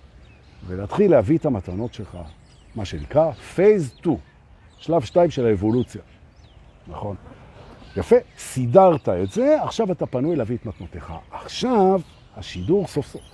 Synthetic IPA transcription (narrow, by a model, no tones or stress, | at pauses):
veleat̪χilːehavietamatano̞tʃelχa̰ | maʃenikʁafejztu | ʃlavʃtaimʃelaevo̞lut͡sja | naχo̞n | jafe̞sidaʁtaetze̞aχʃavatapanujleavietmatno̞t̪eχa̰ːχʃav | haʃiduʁso̞fsof